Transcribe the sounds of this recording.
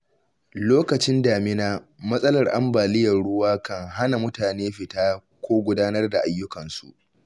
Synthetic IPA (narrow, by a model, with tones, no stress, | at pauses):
loː˦kɐ˨t͡ʃɪ˦ndaː˨mɪ˦naː˦mɐ˦sʼɐ˦lɐ˨rʔa̰˦mbaː˨lɪ˦jɐ˨rɽʊ˦waː˦kɐ˦ŋɦa˦na˨mʊ˦taː˨neː˦ɸɪ˨taː˦ | kʷoː˦ɡʷʊ˦daː˦nɐ˦rda˨ʔa˦jːʊ˦kɐ˨nsṵ˨ʔ